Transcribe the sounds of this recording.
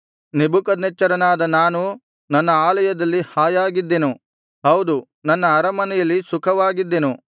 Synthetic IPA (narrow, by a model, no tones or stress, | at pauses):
nebukɐd̪nɐt͡ʃːɐɾɐnaːd̪ɐnaːnu | nɐnːɐaːlɐjɐd̪ɐlːihaːjaːɡid̪ːenu | ɦɐwd̪u | nɐnːɐːɾɐmɐnɛjɐlːisukʰɐʋaːɡid̪ːenu